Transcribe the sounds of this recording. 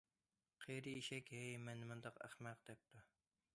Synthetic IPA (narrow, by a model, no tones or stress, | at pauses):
qʰejɾɨiʃɛkʲhɛjmɛnmɨnd̪ɑqæ̰χmæq̚d̪̥ɛp̚t̪u